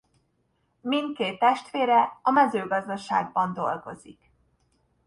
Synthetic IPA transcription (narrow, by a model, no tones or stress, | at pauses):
mint̪̚keːt̪ːɛʃt̪ʋeːɾɛɒmɛzøːɡɒzd̪ɒʃa̰ːɡ̚bɒnd̪o̞lɡo̞zik